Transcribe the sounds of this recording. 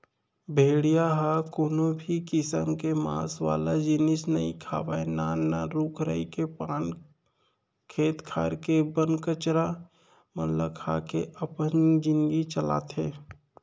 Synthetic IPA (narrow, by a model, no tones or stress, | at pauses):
bʱeːɽijaɦaːkoːnobʱikɪsəmkema̰ːsʋa̰ːlad͡ʒɪnɪsnɐḭkʰa̰ːʋaenaːaɾuːkʰɾə̰ikepaːn | kʰeːt̪kʰaːɾkebənkət͡ʃɾa | mɐlə̰kʰaːkeʔɐpənd͡ʒɪ̃nɡit͡ʃəla̰ːt̪ɦeː